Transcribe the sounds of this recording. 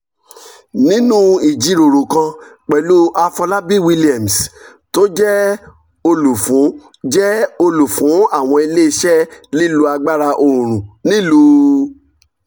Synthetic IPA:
nĩ˦nũ˦i˨d͡ʒi˨˧ɾo˨ɾo˨kã˧k͡pɛ˨lu˦ʔa˧fɔ˧la˦bi˦˨wi˧li˦˨ɛ˨m˨s | to˦d͡ʒɛ˦ | o˧lu˨fũ˨˦ | d͡ʒɛ˦o˧lu˨fũ˨˦a˦˨w̃ɔ̃˧i˧le˦i˧ʃɛ˦li˦lu˦a˧ɡ͡ba˦ɾa˧ʔo˧˨ũ˨ɾ̃ũ˨nĩ˦lu˧

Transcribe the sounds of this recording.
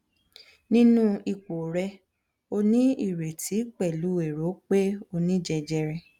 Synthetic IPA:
nĩ˦nũ˦i˦˨k͡po˨ɾɛ˧ | o˧nĩ˦i˦˨ɾe˨tʰi˨˦k͡pɛ˦˨lu˨˦e˨ɾo˨˦k͡pe˦o˧nĩ˦d͡ʒɛ˧d͡ʒɛ˧ɾɛ˧

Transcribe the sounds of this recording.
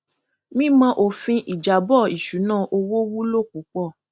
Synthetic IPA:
mĩ˦mã˧ʔo˧˨fĩ˧ʔi˨d͡ʒa˨bɔ˦˨i˨ʃu˨˦nãː˦˨ʔo˧wo˦wu˦lo˦˨k͡pu˨˦k͡pɔ˦˨

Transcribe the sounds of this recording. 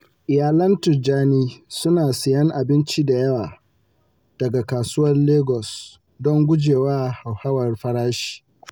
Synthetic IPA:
ʔɪ˨jaː˨lɐ˦ntʊ˨d͡ʒaː˦niː˦sʊ˦naː˨sɪ˨jɐ˦ŋʔa˨bɪ˦nt͡ʃi˦da˨jɐ˦waː˨ | d̥ɐ˨ɡa˨kaː˨sʊː˦wɐ˦rleː˦ɡɔ˨s | dɔ˦ŋɡʷʊ˦d͡ʒeː˨waː˦ha˨wha˦wɐ˨rɸɐ˦ɾaː˦ʃi̥ː˨

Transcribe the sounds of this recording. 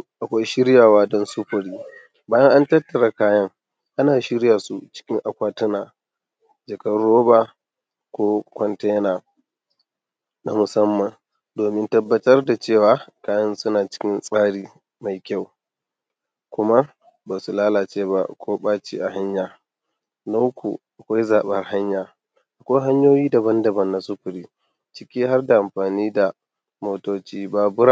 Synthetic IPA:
ʔa˨kʷa˦jʃɪ˦ɾjaː˨waː˦dɔ˦nsʊ˦ɸɐ˨ɽiː˦ | baː˦jɐ˦ŋʔa˦ntɐ˦tːɐ˨ɽa˨kaː˦jɐ˦ŋ | ʔa˦naː˨ʃɪ˦ɽja˨su˨t͡ʃɪ̥˦kʲɪ˦ŋʔa˨kʷaː˦tʊ˦naː˨ | d͡ʒɐ˨kɐ˦rɽoː˦ba˨ | kʷoː˦kʷɔ˦nte˦na˨ | na˨mʊ˨sɐ˦mːɐ˨n | doː˨mɪ˦ntɐ˦bːɐ˦tɐ˦rda˨t͡ʃeː˦˨waː˨˦kaː˦jɐ˦nsʊ˦naː˨t͡ʃɪ̥˦kʲɪ˦nsʼaː˦ɽiː˨ | ma˨jkʲa˦w | kʷʊ˦ma˦ | ba˨su˨laː˦laː˨t͡ʃeː˦ba̰˨kʰoː˦ɓaː˦t͡ʃḭ˦ʔa˨ɦa˦ɲjaː˨ | na˦wkʰṵ˨ʔa˨kʷa˦jzaː˨ɓɐ˦rha˦ɲjaː˨ | ʔa˨kʷɔ˦jɦa˦ɲjoː˦jiː˦da˨bɐ˦ndɐ˨bɐ˦˨nːa˨sʊ˦ɸʊ˨ɾiː˨ | t͡ʃɪ˦kʲiː˦ɦa˦rda˨ʔa˨mɸaː˨niː˦da˨ | moː˨toː˨t͡ʃiː˦ba˦bʊ˦ɾa˨

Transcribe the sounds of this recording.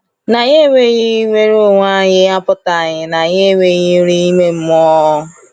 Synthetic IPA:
na˨ɲe˦we˦ji˦i˦we˦ɾo˦˨ŋʷa˦ɲɪ˦a˦pʊ˦ta˨ɲɪ˨na˨ɲe˦˨we˨ji˦ɾi˦i˦me˦m̩˦mɔ˦

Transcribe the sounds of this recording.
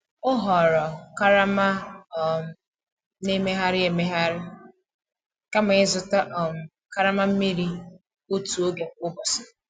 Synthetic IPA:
ʊ˦ɦɔ˨ɾɔ˨ka˦ɾa˦ma˦ɔ˨m˨ | ne˦me˦ɦa˦ɾɪ˦e˨me˦ɦa˦ɾɪ˦ | ka˦ma˨ɪ˦zʊ˨ta˦ʔɔ˨m̩˨ | ka˦ɾa˦ma˦m̩˦mi˦ɾi˦ | o˦tu˨o˦ɡe˨ʊ˦bɔ˨sɔ̥˨

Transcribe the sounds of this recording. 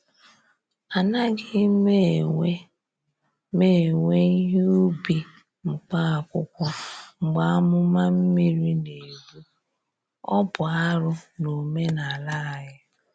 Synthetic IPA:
a˨na˦ɡɪ˦me˦e˦ | me˦˨ŋʷe˦i˦ɦe˦u˦bi˨ | ŋ͡m̩˨k͡pa˦a˨kʷʊ˦kʷɔ˦ŋ͡m̩˨ɡ͡ba˦a˦mʊ˦ma˦m̩˦mi˦ɾi˦ne˨ɡu˦ | ɔ˦bʊ˨a˦ɾʊ˦no˨me˦na˨la˦a˨ɦɪ˦

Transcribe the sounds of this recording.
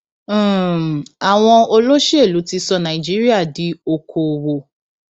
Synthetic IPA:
a˨w̃ɔ̃˧o˧lo˦ʃi˦e˦˨lu˨˦ti˧˦sɔ˧nã˨i˨d͡ʒi˨˦ɾi˦a˦˨di˨˦o˧kʰo˨wo˨

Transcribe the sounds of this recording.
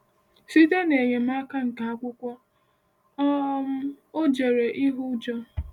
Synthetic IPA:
si˦te˦ne˨ɲe˨m̩a˦ka˦ŋ̩˨ka˨a˦kʷʊ˦kʷɔ˦ | ɔ˦m̩˦ | o˦d͡ʒe˨ɾe˨ʔi˦ɦʊ˦d͡ʒɔ˦

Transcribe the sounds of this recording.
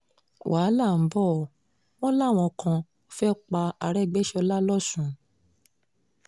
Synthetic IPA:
wʔaː˨˦la˦˨m̩˨˦bɔ˦˨ | w̃ɔ̃˦la˦˨w̃ɔ̃˧kʰã˧˦ | fɛ˦k͡pa˧a˧ɾɛ˦˨ɡ͡bɛ˦ʃɔ˧la˦lɔ˦sũ˨˦

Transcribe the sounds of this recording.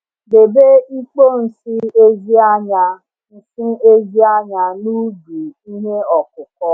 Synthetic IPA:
be˨be˦i˦k͡po˦n̩˨sɪ˦e˦zi˦a˦ɲa˦ | n̩˨sɪ˦e˦zi˦a˦ɲa˦nu˦ɡu˨i˦ɦe˦ɔ˨kʊ˨kɔ˦

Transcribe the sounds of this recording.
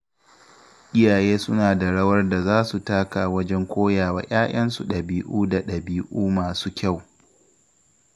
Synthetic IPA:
ʔʲɪ˦jaː˨jeː˦sʊ˦naː˨da˨ɽɐ˦wɐ˦rda˨zaː˦su˨taː˦kaː˨wɐ˦d͡ʒɛ˦ŋkʷoː˦jaː˨waː˦jʲʔaː˦ʔɐ˦nsu˨ɗɐ˨biː˦ʔuː˦da˨ɗɐ˨biː˦ʔuː˦maː˨suː˦kʲa˦˨w

